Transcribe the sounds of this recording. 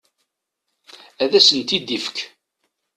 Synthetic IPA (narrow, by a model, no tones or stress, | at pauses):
æðæsənt̪id̪ifə̥k